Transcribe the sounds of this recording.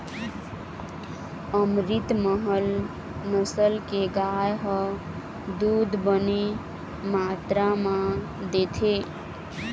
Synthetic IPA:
əmɾit̪məɦəl | nəsəlkeɡajɦə | d̪ud̪ʱbəne | mat̪ɾamã | d̪et̪ʰe

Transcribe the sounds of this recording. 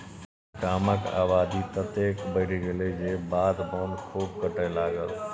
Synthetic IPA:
kaːməka̰ːbaːd̪it̪ət̪eːkbəːɽiɡɪled͡ʒeːbaːd̪boːnkʰuːb̚kəʈəjlaːɡəl

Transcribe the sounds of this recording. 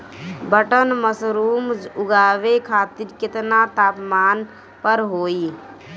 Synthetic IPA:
bəʈənməsɾuːmʊɡaːʋekʰaːt̪iɾkɪt̪nat̪aːpmaːn | pəɾɦoːi

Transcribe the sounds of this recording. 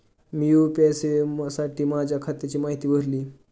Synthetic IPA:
miupɛsesaʈiːmad͡ʑʱakʰat̪ːet͡ɕiːmaɦit̪iːbʱəɾliː

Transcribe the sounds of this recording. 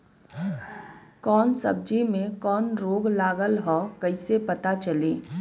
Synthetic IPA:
kɔːnsəb̚d͡ʒimẽkɔːnɾoːɡlaːɡəlɦɔːkəɪsepət̪at͡ʃəliː

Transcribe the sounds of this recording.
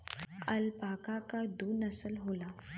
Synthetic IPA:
əlpakakad̪uːnəsəlɦola

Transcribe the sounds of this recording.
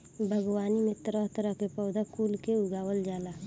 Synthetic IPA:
bʱəɡwaːnimɪt̪ɾat̪əɾəkepɔʊd̪akuːlkeʊɡaːwəld͡ʒaːlaː

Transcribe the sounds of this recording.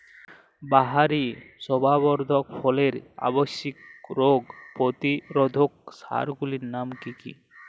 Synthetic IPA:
baɦaɾisɔbʱabɔɾd̪ʱɔk̚pʰɔleɾa̰bɔsikɾoɡpot̪iɾɔd̪ʱok̚sa̰ɾɡuliɾnamkikḭ

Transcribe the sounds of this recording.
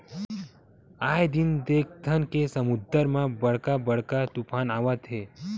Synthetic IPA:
aːjd̪ind̪eːk̚ʰt̪ʰənkesəmʊd̪əɾmãbəɽ̤kabəɽ̤kat̪upʰaːnaːʋət̪ɦeː

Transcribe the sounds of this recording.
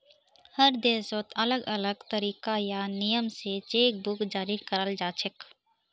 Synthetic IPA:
həɾd̪eːsoːt̪ʰələɡələɡt̪əɾiːkajanijəmset͡ʃeːk̚bʊkd͡ʒaːɾikəɾəld͡ʒaːt͡ʃʰɪk

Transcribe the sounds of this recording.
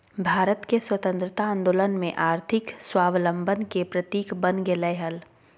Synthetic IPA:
bʱaːɾət̪keswət̪ə̃nt̪ɾət̪aãnd̪oːlənmẽʔaːɾt̪ʰɪkswaːʋlə̃mbʱənkepɾət̪iːkbənɡeləɪɦəl

